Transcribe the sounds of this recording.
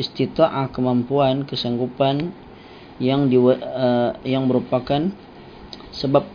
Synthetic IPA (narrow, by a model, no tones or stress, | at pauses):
ist̪it̪aʔakəmampuankəsaŋɡupan | jaŋdi | jaŋməɾupakan | səbap̚